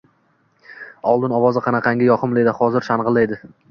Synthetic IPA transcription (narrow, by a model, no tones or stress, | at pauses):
ɒlˠd̪ɪnɒvɒzɪqʰɑnɑqʰɑŋɡʲajɒqʰɨmlˠed̪ɪhɒzɪɾʃanʁɨlˠajd̪ɪ